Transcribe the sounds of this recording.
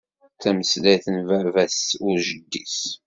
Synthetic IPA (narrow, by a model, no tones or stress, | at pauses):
θæməslæθənvæɾvæsʊɾʒəd̪ːis